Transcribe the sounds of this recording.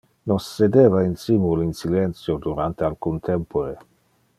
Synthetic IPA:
nosːed̪eːvainsimulinsilent̪sjod̪uɾant̪ealkunt̪ʰempoɾe

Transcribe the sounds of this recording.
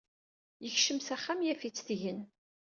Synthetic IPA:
jəçʃəmsæχːamjæfit͡sːθʝən

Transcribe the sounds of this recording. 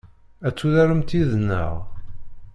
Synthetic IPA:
æt͡sːuðæɾəmt̪iðənːə̰ʁ

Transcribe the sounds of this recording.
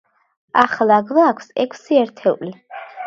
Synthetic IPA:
aχlˠaɡlaːkʷʰsɛkʷʰsiɛɾt̪ʰɛwli

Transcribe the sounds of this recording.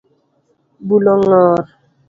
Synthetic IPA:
bulɔŋɔːɾ

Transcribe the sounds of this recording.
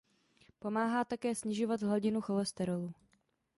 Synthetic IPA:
po̞maːɦaːt̪akɛːsɲɪʒo̞vat̪ɦlaɟɪnuxo̞lɛst̪ɛɾoluː

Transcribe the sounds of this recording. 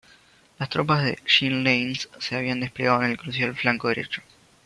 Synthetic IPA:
last̪ɾopazðḛʃinlejnsːeaβiand̪e̞spleɣaðoenelkɾusjalflaŋkoðeɾḛt͡ʃo̥

